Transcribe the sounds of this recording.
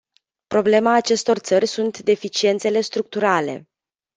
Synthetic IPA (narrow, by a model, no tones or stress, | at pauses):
pɾo̞ble̞maːt͡ʃe̞st̪o̞rt̪sərʲsunt̪d̪e̞fit͡ʃie̞nt̪se̞le̞st̪ɾuk̚t̪uɾale̞̰